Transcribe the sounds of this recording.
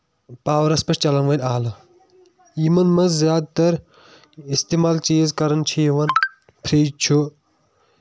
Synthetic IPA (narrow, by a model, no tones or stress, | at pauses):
paːʋɐɾɐspɐʃt͡ʃɐlɐnʋɐlʲaːlɐ | iːmɐnmɐzzjaːd̪̚t̪ɐɾ | ist̪eːmaːlt͡ʃiːzkɐɾɐnt͡ʃʰiːʋɐn | pʰɾiːd͡ʒt͡ʃʰu